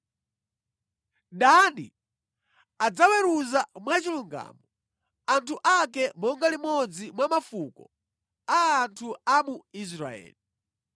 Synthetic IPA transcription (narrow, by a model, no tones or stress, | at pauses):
danḭ | ad͡zawɛɾuzamwat͡ʃiluŋɡa̰ːmɔ | antʰuʔakɛmɔŋɡalimɔd͡zimwamafukɔ̰ | aːntʰuamuis̬ɾa̰ɛ̰ːli